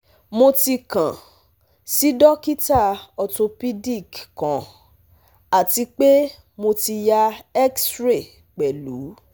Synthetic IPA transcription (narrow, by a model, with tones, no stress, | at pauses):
mo˧ti˧kã˨ | si˨˦dɔ˦ki˦ta˦˨ɔ˧to˧pi˦di˦˨kkã˨˦ | a˨ti˧k͡pe˦ | mo˧ti˧ja˦ɛ˦ksɾe˦˨ | k͡pɛ˨lu˨˦